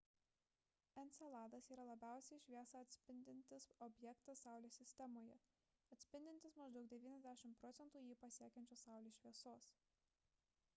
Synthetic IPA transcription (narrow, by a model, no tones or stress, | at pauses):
ɛnt̪sʲɛlˠɑːd̪ɐsiːɾɐlˠɐbʲæˑʊsʲɛɪʃʲʋʲiɛsɐɐt̪ʲsʲpʲɪnʲd̪ʲɪnʲt̪ʲɪsɔbʲjɛkt̪ɐsɑˑʊlʲoːsʲɪsʲt̪ʲɛmoːjɛ | ɐt̪ʲsʲpʲɪnʲd̪ʲɪnt̪ʲɪsmɐʒd̪ɒʊk̚d̪ʲɛʋʲiːnʲɛzʲd̪ʲæʃʲɪmtpɾɔt̪sʲɛnt̪uːjiːpɐsʲiɛkʲɛnʲt͡ʃʲoːsɑˑʊlʲoːʃʲʋʲiɛsoːs